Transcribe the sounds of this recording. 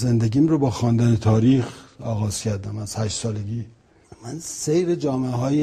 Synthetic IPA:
zend̪eɡʲiːmɾobɒːxɒːnd̪ænet̪ʰɒːɾiːxɒːɣɒːz̥cʲʰæɾd̪æmæz̥hæʃtsɒːleɡiː | mænsejɾed͡ʒɒːmeɦɒːje

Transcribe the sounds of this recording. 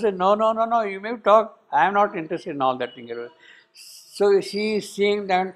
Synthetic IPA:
senoːnoːnoːnoːjuːmeːbiʈɔːk̚ | ãɪ̃mnɔːʈɪ̃ɳʈɾesʈeɖɪ̃nɔːld̪æʈ̚t̪ɪ̃ŋeɾe | soːʃiːzsiːɪ̃ŋd̪æʈ

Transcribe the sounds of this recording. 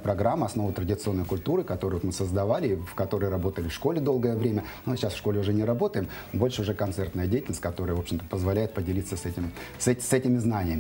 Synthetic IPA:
pɾɐɡɾamːəɐsno̞vət̪ɾədʲɪt̪sɨo̞nːəjkʊlʲt̪uɾɨkɐt̪oɾəjot̪mɨsəzd̪ɐvalʲɪːfkɐt̪o̞ɾəjɾɐbo̞t̪əlʲɪfʂko̞lʲɪd̪o̞lˠɡəjəvɾʲemʲənomɨt͡ɕːasfʂkolʲɪʊʐɛnʲɪɾɐbo̞t̪əjɪm | bo̞lʲʂɨʊʐɛkɐnt̪sɛrt̪nəjədʲejtʲɪlnəsʲtʲkɐt̪o̞ɾəjəvo̞pɕːɪmt̪əpəzvɐlʲæjɪt̪̚pədʲɪlʲit̪sːəsɛtʲɪm | sɛsɛtʲɪmʲɪznanʲɪjəmʲɪ

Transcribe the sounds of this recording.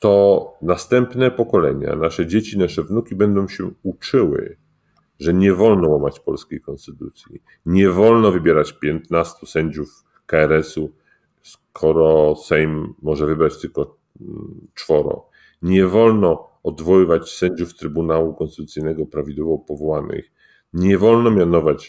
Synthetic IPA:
t̪ɔnast̪ɛmpnɛpɔkɔlɛɲa̰naʂɛd͡ʑet͡ɕinaʂɛvnukʲibɛnd̪ɔ̃w̃ɕɛut͡ʂɘwɘ̰ | ʐɛɲɛvɔlnɔwamat͡ɕpɔlskʲejkɔnst̪ɘt̪ut̪sʲjḭ | ɲɛvɔlnɔvɘbʲjɛɾat͡ɕpʲjɛnt̪nast̪usɛɲd͡ʑuf | kaɛɾɛsu | skʰɔɾɔsɛjmːɔʐɛvɘbɾat͡ɕt̪ɘlkɔ | t͡ʂfɔɾɔ̰ | ɲɛvɔlnɔ | ɔd̪vɔwɘvat͡ɕsɛɲd͡ʑuft̪ɾɘbunawukɔ̃nst̪ɪt̪ut̪sɘjnɛɡɔpɾavʲid̪wɔvɔpɔvɔwanɘ̰x | ɲɛvɔlnɔmʲjanɔvat͡ɕ

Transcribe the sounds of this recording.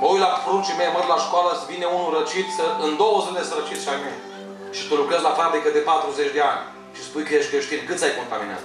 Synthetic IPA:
məujlafɾunt͡ʃimejmənd̪laʃkoaləsvineunuɾət͡ʃit̪səɨnd̪o̞wəsɨd̪esəɾət͡ʃit̪sʃajmen | ʃi̥t̪olukɾezlafɾabɾikəd̪e̞pat̪ɾuzet͡ʃd̪ea̰nʲ | ʃispujkeʃʲkɾeʃt̪inʲkɨt̪sajko̞nt̪aminea̰zə

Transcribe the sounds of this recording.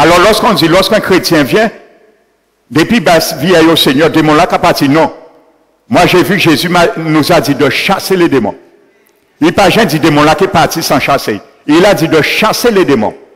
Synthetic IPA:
alɔʁlɔʁskɔ̃d͡zilɔʁskɛ̃kχetjɛ̃vjɛ̃ | d̪epɥibasviɛjoseɲœʁd̪emɔ̃lakapaʁtinɔ̃ | mwaʒevyʒezymanuzadid̪əʃaseledemɔ̰̃ | ilpaʒɛ̃d͡zid̪emɔ̃lakepaʁtisãʃasḛ | ilad͡zid̪əʃaseled̪emɔ̰̃

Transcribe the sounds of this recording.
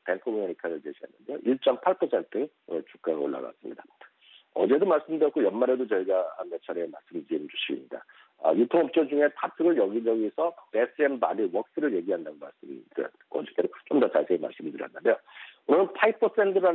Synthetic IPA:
penkʰomeɾikʰaɾɯɭt͡ɕeɕʰiɦa̰nːɯnde̞jo̰ʔiɭt͡ɕ͈ʌmpʰaɭpʰʌsʰe̞ntʰɯ | o̰nɯɭt͡ɕuk͈̚aɾɯo̰ɭːa̰ɡa̰s͈ɯmɲḭda | ʌ̰d͡ʑe̞domaɭs͈ɯmdɯɾjʌt̚k͈ojʌnmaɾe̞dot͡ɕʌiɡahanme̞t͡ɕʰʌɾe̞maɭs͈ɯmdɯimd͡ʑuɕʰiɡimɲida̰ | ʌ̰jutʰoŋʌp̚t͡ɕ͈ʌd͡ʑuŋe̞tʰatʰɯɡɯɭjʌɡid͡ʑʌɡisʰʌpe̞s͈ʰɯembadiwʌk̚s͈ɯɾɯɭje̞ɡiɦandanɯnma̰ɭs͈ɯmdɯɾjʌ̰tk͈oʌd͡ʑit͈edot͡ɕ͈omdʌt͡ɕasʰe̞ːma̰ɭs͈ɯmɯdɯɾjʌnːɯnde̞joonɯnpʰaipʰʌsʰe̞ntʰɯɾa

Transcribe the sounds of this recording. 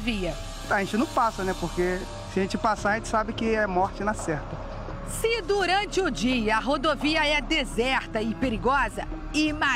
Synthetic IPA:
viɐ | aʒẽnt͡ʃɪnɐ̃w̃pasɐnɛpoɾke | sɪaʒẽnt͡ʃɪpasaɾaɐʒẽt͡ʃɪ̥sabɪkɪɛmɔɾt͡ʃɪnɐsɛɾt̪ɐ | sɪd̪uɾɐ̃nt͡ʃɪʊd͡ʒiɐːɦod̪oviɐɛd̪ezɛɾt̪ɐɪpeɾiɡɔzɐ | ɪma

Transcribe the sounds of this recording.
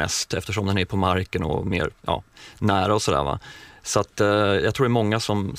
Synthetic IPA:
ɛ̰st̪ɛft̪əʂɔmd̪ɛnæɾpʰɔmaɾkənɔ̰mḛːɾjɑ̰ːnæːɾaɔsɔd̪æ̰ːɾva̰sat̪ːjɑɡt̪ʰɾuːɖɛmɔŋːasɔm

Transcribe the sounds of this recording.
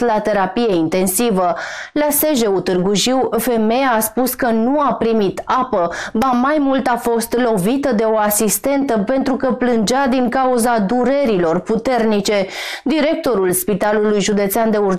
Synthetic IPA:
lat̪e̞ɾapijeint̪e̞nsivəlaseʒe̞ut̪ɨrɡuʒiwfe̞me̞jaːspuskənuapɾimit̪apəbamajmult̪afo̞st̪lo̞vit̪əd̪e̞o̞asist̪e̞nt̪əpe̞nt̪ɾukəplɨnd͡ʒad̪iŋkauzad̪uɾe̞ɾilo̞rput̪e̞rnit͡ʃe̞ | d̪iɾe̞k̚t̪o̞ɾulspit̪alulujʒud̪e̞t̪seand̪e̞ur

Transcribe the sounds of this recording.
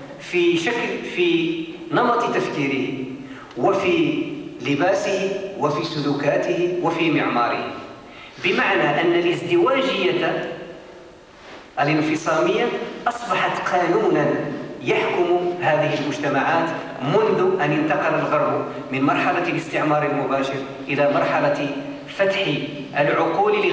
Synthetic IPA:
fiʃaklfinɑmɑt̪ˤt̪afkiːɾɪh | wafiːlɪbæːsɪhwafisʊluːkaːt̪ɪhɪwafimɪʕmɑːɾɪhɪ | bɪmaʕnaʔənːalʔɪzd̪ɪwaːʒɪjːa | ʔəlɪnfɨsˤɑːmɪjːaʔɑsˤbɑħɑt̪qʰɑːnuːnanjaħkʊmhaːd̪ɪhɪlmʊd͡ʒt̪amaʕaːt̪ | mʊnd̪ʊʔanjənt̪ɑqɑlalɣɑɾˤb | mɪnmɑɾˤħɑlalɪst̪ɪʕmɑːɾˤɪlmʊbaːʃɪɾ | ʔɪlaːmɑɾˤħɑla | fat̪ħ | ʔəlʕʊquːl

